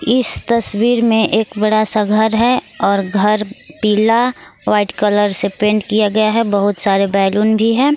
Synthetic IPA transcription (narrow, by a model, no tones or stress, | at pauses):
ɪst̪ɐswiːɾmẽʔeːkbɐɽasaɡʱəɾɦɛ | ɔːɾɡʱɐɾpiːla | ʋaːɪʈkɐləɾsepẽːɳɖkijaɡɐjaɦɛbɐɦʊt̪saːɾebɛːluːnbʱiɦɛ̃ː